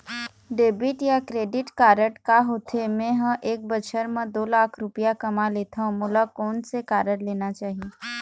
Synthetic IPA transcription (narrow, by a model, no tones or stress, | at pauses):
ɖeːbɪʈjakɾeːɖɪʈkaːɾəʈkaɦoːt̪ʰemẽɦə̃ʔeːk̚bət͡ʃʰəɾmə̃d̪oːlaːkʰɾʊpijakɐmaleːt̪ʰãmʊlakɔːnsekaːɾəɽleːnat͡ʃaːɦie